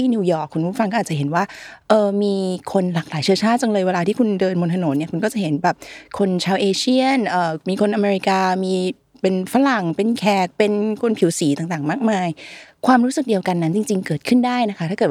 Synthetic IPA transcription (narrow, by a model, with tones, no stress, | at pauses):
i˥˩nuː˧jɔː˨˩kʰːu˧npʰfa˧kɔː˥ʔ̚ːt͡ɕa˩ɦe˨˩˦nwaː˥˩ʔɤː˧miː˧kʰo˧nlaː˨˩k̚laː˩˦jt͡ɕʰɯ˥ət͡ɕʰaː˥˩t͡ɕa˧ŋlɤː˧jweː˧laː˧t̪ʰiː˥˩kʰu˧ndɤː˧nmo˧nt̪ʰa˧no˩˦nːi˥˩ɐku˧nkɔː˥˩t͡ɕa˨˩he˩˦nbɛː˨˩p̚kʰo˧nt͡ɕʰaː˧wʔeː˧t͡ɕʰi˥˩ənʔɤː˨˩miː˧kʰo˧nʔa˧meː˧ɾi˧˥kaː˧miː˧ | pe˧nfa˧˥la˨˩ŋpe˧nkʰɛː˨˩k̚pe˧nkʰo˧npʰi˨˩˦wsiː˩˦t̪aː˨˩ŋt̪aː˨˩ŋmaː˥˩k̚maː˧jkʰwaː˧mɾuː˦˥sɯ˨˩k̚di˧əwka˧nːa˦˥nt͡ɕi˧ŋt͡ɕi˧ŋkɤː˨˩t̪̚kʰɯ˥˩ndaː˥˩jna˦˥kʰa˦˥t̪ʰa˥kɤː˨˩